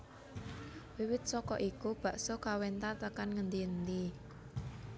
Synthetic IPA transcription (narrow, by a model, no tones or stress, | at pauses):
wiwɪt̪̚sɔkɔʔikub̥ä̤ʔsokawent̪at̪əkanŋənd̪iənd̪i